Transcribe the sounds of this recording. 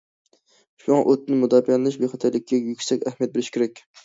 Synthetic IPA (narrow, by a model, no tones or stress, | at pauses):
ʃuɑʔøt̪ʰːɪnɪmud̪ɑfijɑlˠɨnɪʃbeχɑt̪ʰæɾlɪkʲʰːɛjykʲsɛkʲæhmijɛt̪̚bɪlɪʃkʲʰeɾɛkʲ